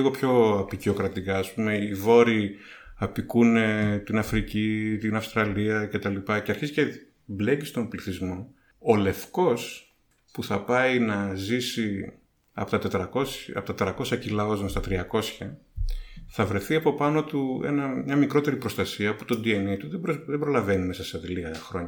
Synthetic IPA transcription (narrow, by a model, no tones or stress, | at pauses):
iɣopço̞ɐpicio̞kɾɐt̪ikɐːspume̞ivo̞ɾi | ɐpikunet̪inɐfɾicit̪inɐfst̪ɾɐliɐce̞t̪ɐlipɐceɐɾçizice | ble̞cist̪o̞mbliθizmo̞ | ole̞fko̞s | puθɐpɐinɐzisi | ɐ̰pot̪ɐt̪et̪ɾɐko̞sɐpot̪ɐt̪et̪ɾɐko̞sçɐcilɐozonst̪ɐt̪ɾiɐko̞sçɐ | θɐvɾe̞θiɐpo̞pɐno̞t̪ue̞̰nɐmɲɐmikɾo̞t̪e̞ɾipɾo̞st̪ɐsiɐpot̪o̞nd̪ienit̪uðeboðebɾo̞lɐve̞nime̞sɐseɐðiliɣɐxɾo̞ɲɐ